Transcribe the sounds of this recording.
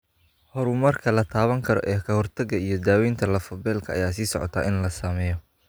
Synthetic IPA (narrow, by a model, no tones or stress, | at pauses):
hɔɾʊmɐrkʰɐlɐt̪ʰaːβɐŋkʰɐɾɔ̰ʔɛːkʰɐhɔrt̪ʰɐɡɐijɞd̪aːwɛːjnt̪ʰɐlɐfɔbɛːlkʰɐ̰ːjaːsiːsɔ̰ʕɔ̰t̪ʰaːʔɪnlɐsaːmɛːjɔ